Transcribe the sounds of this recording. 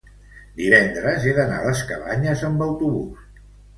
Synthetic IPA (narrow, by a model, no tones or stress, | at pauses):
d̪iβɛnd̪ɾəzeðəna̰ləskəβa̰ɲəzəmbəwt̪uβṵs